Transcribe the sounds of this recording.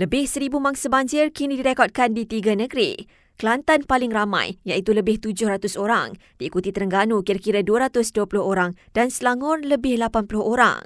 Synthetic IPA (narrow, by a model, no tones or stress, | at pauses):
ləbɪhsəɾibumaŋsabaɲd͡ʒɪrkinidiɾekɔd̚kandit̪iɡanəɡɾḭ | kəlant̪anpalɪŋramã̰jjaʔit̪uləbɪht̪ud͡ʒʊhɾat̪ʊsoɾaŋ | d̥iːkut̪it̪əɾəŋɡanukiɾakiɾaduəɾat̪ʊsduəpulʊɦoɾaŋd̥ansəlaŋʊrləbɪhlapanpulʊhoɾa̰ŋ